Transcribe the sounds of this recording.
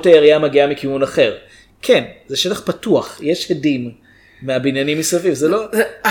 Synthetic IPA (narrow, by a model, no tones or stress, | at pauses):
tajeʁiamaɡiamikiunaχe̞ʁ | kʰenzeʃetaχpatuaχje̞ʃhedimː | eabinjanimisavivzelo